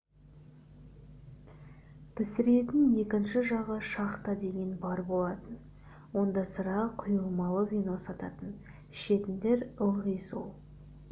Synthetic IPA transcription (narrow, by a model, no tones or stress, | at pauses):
pʰɪsɪɾe̞t̪ɪnje̞kʲɪnʃɪʒɑʁəʃɑqt̪ɑd̪e̞ɡʲe̞nbɑɾbo̞lˠɑt̪ən | wo̞nd̪ɑsəɾɑqʰʊjəlˠmɑlˠəvʲijno̞sɑt̪ɑ̰t̪ən | ʃe̞t̪ɪnd̪e̞ɾəlˠʁijso̰lˠ